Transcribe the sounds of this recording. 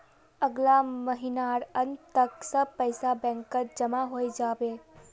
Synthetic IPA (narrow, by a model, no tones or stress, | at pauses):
əɡlaməɦinaːɾənt̪əksəb̚pəɪsabɛ̃ːŋkːəɾd͡ʒəmaɦoːid͡ʒaːbeː